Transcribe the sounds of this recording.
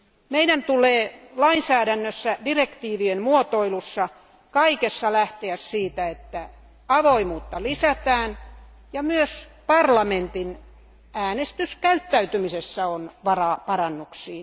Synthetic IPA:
meiɾænt̪uleːlɑinsæːɾænːøsːædirekt̪iːʋienmuot̪oilusːɑ | kɑikesːɑlæht̪eæssiːt̪æet̪ːæ | ɑʋoimuːt̪ːɑlisæt̪æːn | jɑmyøspɑrlɑment̪in | æːnest̪yskæyt̪ːæyt̪ymisesːæonʋɑrɑːpɑrɑnːuksiːn

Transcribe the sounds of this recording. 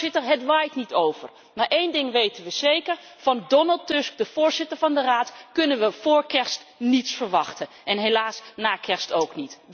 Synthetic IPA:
ɪtəɦədʋaːjtnitowv̥əɹ | maʔejndɪŋʋejtənʋəz̥ejkəɹ | vɑndɔnəlˠtʏskdəv̥ʊːɹzɪtəɹvɑndəraːtkɵnənʋəv̥ʊːɹkɛɹstnitsfəɹʋɑχtənʔɛnɦelaːsnaːkʰɛɹstowknit

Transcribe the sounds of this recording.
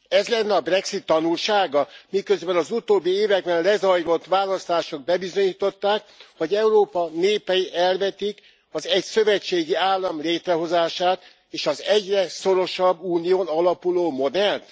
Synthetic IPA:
ɛzlɛnːɛɒbrɛksit̪ːɒnulʃaːɡɒmikø̞zbɛnɒzut̪oːbːieːvɛɡ̚bɛnlɛzɒjɾo̞t̪ːʋaːlɒst̪aːʃo̞ɡ̚bɛbizo̞ɲiːt̪o̞t̪ːaːkho̞ɟɛuɾoːpɒneːpɛjiʔɛlvɛt̪ik | ɒzɛɟsøvɛt͡ʃːeːɡiaːlːɒmleːt̪rɛɦo̞zaːʃaːt̪ | eːʃɒzɛɟrɛso̞ɾo̞ʃɒbːuːnijoːnɒlɒpuloːmo̞d̪ɛlt̪

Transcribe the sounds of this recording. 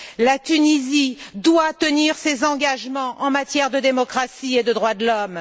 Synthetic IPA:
lat̪ynizid̪wat̪əniʁsezɑ̃ɡaʒmɑ̃ʔɑ̃mat̪jɛʁd̪əd̪emɔkχasied̪əd̪ʁwad̪əlɔm

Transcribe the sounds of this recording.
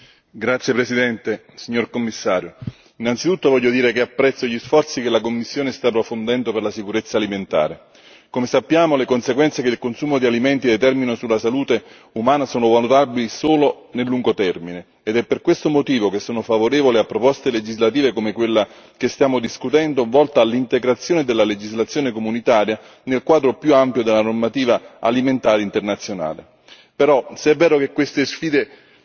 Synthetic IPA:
ɡɾat̪sjepɾesid̪ɛnt̪e | siɲːorkomːisːaːɾjo | inːant̪sit̪ut̪ːovɔʎːod̪iːɾekeapːɾɛt̪sːoʎisfɔrt̪sikelakomːisːjoːnest̪aːpːɾofond̪ɛnd̪operlasikuɾet̪sːaːliment̪a̰ːɾe | komesapːjaːmolekonseɡwɛnt̪sekelkonsuːmod̪ialimɛnt̪id̪et̪ɛrminosulːasaluːt̪e | umaːnasoːnovalut̪abilisoːlo | nelːuŋɡot̪ɛrmineːd̪ɛpːerkwest̪omot̪iːvokesːoːnofavoɾeːvoliapːɾopɔst̪eled͡ʒizlat̪iːvekomekwelːa | k̟est̪jaːmod̪iskut̪ɛnd̪ovɔlt̪aːlːint̪eɡɾat̪sːjoːned̪elːaled͡ʒizlat̪sːjoːnekomunit̪aːɾja | nelkwaːd̪ɾopjuampjod̪elːanormat̪iːvaa̰liment̪aːɾeint̪ernat̪sjona̰ːle | peɾɔseɛvːɛːɾokekːwest̪esfiːd̪e

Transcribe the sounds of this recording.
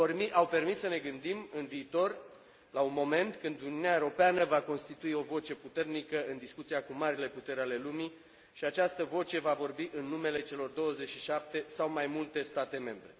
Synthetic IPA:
iawpe̞rmissəne̞ɡɨnd̪imɨnviːt̪o̞r | launmo̞me̞nt̪kɨnd̪uniuniaeɾo̞peanəvako̞nst̪it̪uio̞vo̞t͡ʃe̞put̪e̞rnikəɨnd̪iskut̪siakumaɾile̞put̪e̞ɾeale̞lumi | ʃiat͡ʃast̪əvo̞t͡ʃe̞vavo̞rbiʔɨnːume̞le̞t͡ʃe̞lo̞rd̪o̞wəze̞t͡ʃʃiʃap̚t̪e̞sawmajmult̪e̞st̪at̪e̞me̞mbɾe̞

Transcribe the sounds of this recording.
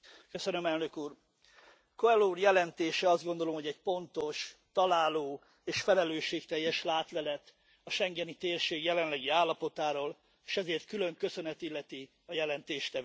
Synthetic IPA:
køsønømɛlnø̞kuːr | koɛlːuːrjɛlɛnt̪eːʃɛɒzd̪ɡo̞nd̪o̞lo̞mɦoɟɛɟpo̞nt̪o̞ʃt̪ɒlaːloː | eːʃfɛlɛløːʃeːkt̪ɛjːɛʃlaːt̪lɛlɛt̪ | ɒʃɛŋɡɛnit̪eːrʃeːɡjɛlɛnlɛɡiaːlːɒpo̞t̪aːɾoːl | eːʃɛzeːrt̪kylø̞ŋkø̞sø̞nɛt̪ilːɛt̪i | ɒjɛlɛnt̪eːʃt̪ɛvøː

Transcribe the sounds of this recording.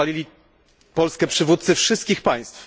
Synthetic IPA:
alʲilʲi | pɔlskɛpʂɘvut̪t̪sɘfʂɘst̪̚kʲixpaj̃st̪f

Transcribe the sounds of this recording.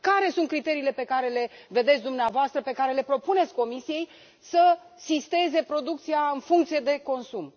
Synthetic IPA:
kaɾe̞sunt̪̚kɾit̪e̞ɾiːle̞pe̞kaɾe̞le̞ve̞d̪e̞t̪sʲd̪umneavoast̪ɾəpe̞kaɾe̞le̞pɾo̞punet̪sʲko̞misije̞j | sə | sist̪e̞ze̞pɾo̞d̪uk̚t̪sijaɨnfuŋkt̪sije̞d̪e̞ko̞nsum

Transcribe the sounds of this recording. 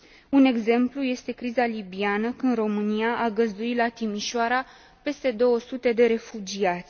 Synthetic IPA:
une̞ɡze̞mpluje̞st̪e̞kɾizalibianəkɨnd̪ro̞mɨnijaʔaɡəzd̪uit̪lat̪imiʃoaɾa | pe̞st̪e̞d̪o̞wəsut̪e̞d̪e̞ɾe̞fud͡ʒiat̪sʲ

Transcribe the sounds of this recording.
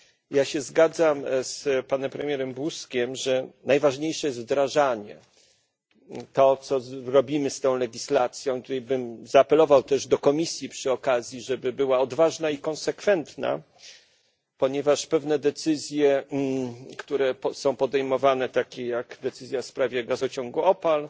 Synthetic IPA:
jaɕɛzɡad̪zamspanɛmpɾɛmʲjɛɾɛmbuskʲɛmʐɛnajvaʐɲejʂɛjɛst̪vd̪ɾaʐaɲɛ̰ | t̪ɔt̪sɔɾɔbʲimɘst̪ɔ̃w̃lɛɡʲislat̪sʲjɔ̃w̃kt̪ut̪ɛjbɘmzaːpɛlɔvawt̪ɛʐd̪ɔkɔmʲisʲjipʂɘɔkazʲjiʐɛbɘbɘwaɔd̪vaʐnaikɔ̃nsɛkfɛnt̪na̰ | pɔɲɛvaʂpɛvnɛd̪ɛt̪sɘzʲjɛ | kt̪uɾɛpsɔ̃w̃pɔd̪ɛjmɔvanɛt̪akʲɛjaɡd̪ɛt̪sɘzʲjafspɾavʲjɛɡazɔt͡ɕɔŋɡuɔpal

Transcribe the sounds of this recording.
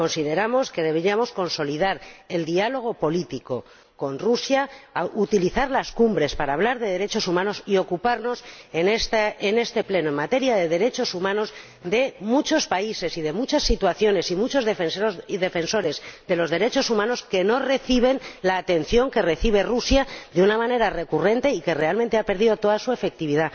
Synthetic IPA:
ko̞nsið̞e̞ɾamo̞ske̞ðe̞βeɾiamo̞sko̞nso̞lið̞aɾe̞ld̪ialo̞ɣ̞o̞po̞lit̪iko̞ | ko̞nrusjaut̪iliθaɾlaskumbɾe̞spaɾaːβ̞laɾðe̞ðe̞ɾe̞t͡ʃo̞sumãno̞sio̞kupaɾno̞senest̪ene̞st̪e̞ple̞noe̞mat̪e̞ɾjaðe̞ðe̞ɾe̞t͡ʃo̞sumãno̞z | d̪e̞mut͡ʃo̞spaise̞siðe̞mut͡ʃasːit̪waθjo̞ne̞simut͡ʃo̞zðefensoiðe̞fe̞nso̞ɾe̞zd̪e̞lo̞zðe̞ɾe̞t͡ʃo̞sumãno̞ske̞no̞re̞θiβ̞e̞nlaːt̪e̞n̟θjo̞ŋke̞re̞θiβ̞e̞rusjaðeunamãne̞ɾare̞kure̞nt̪e̞ike̞re̞almẽnt̪eape̞ɾðiðo̞t̪o̞ðasue̞fe̞k̚t̪iβ̞iða

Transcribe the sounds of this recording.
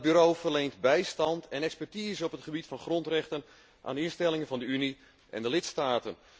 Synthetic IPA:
byɾowfərlejntbɛjstɑntʰɛnɛkspɛrtiːzəɔpətχəbitfɑnχrɔntrɛχtən | ʔa̰ːnɪstɛlɪŋənvɑndəyni | ʔɛ̰ndəlɪtstaːtən

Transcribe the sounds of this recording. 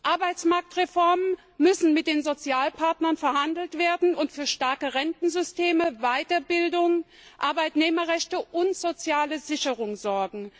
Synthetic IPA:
ʔaɐbaɪt͡smaɐk̚tʁefɔɐmən | mʏsn̩mɪt̚d̥eːnzot͡sjaːlpʰaɐtnɐnfɛɐhandl̩tv̥eːɐdn̩ʊntfyːɐʃtaɐkəʁɛntn̩zʏstʰeːməvaɪtɐbɪldʊŋ | ʔaɐbaɪtneːmɐʁɛçtəʔʊntz̥ot͡sjaːləzɪçəʁʊŋzɔɐɡŋ̩

